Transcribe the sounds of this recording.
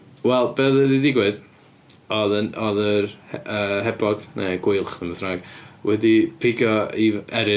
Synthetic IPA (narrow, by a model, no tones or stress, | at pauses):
wɛlˠbeːðəðidɪɡwɨð | ɔðənɔðərɛəɦɛbɔɡ̥neɡ̥wɪɨlˠχðəməθraːɡwɛdipʰɪɡɔivɛɾɪ